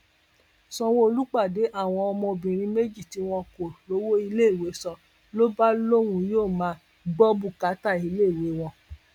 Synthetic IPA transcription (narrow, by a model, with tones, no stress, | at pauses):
sɔ̃˧wo˦o˧lu˦k͡pa˦˨de˨˦ʔa˦˨w̃ɔ̃˧ɔ˧mɔ̃˧bĩ˨ɾ̃ĩ˧me˦d͡ʒi˦˨ti˨˦w̃ɔ̃˧ko˨lo˨˦wo˦i˧le˦˨we˨˦sɔ˧ | lo˦ba˦lo˦˨wũ˧joː˦˨mãː˨˦ | ɡ͡bɔ˦bu˦˨ka˨˦ta˦˨i˧˦le˦i˨we˨˦w̃ɔ̃˧